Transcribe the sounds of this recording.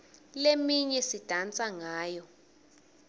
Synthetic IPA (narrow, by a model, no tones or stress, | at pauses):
lemiɲɛsid̥ʱant͡sʼaŋaːjɔ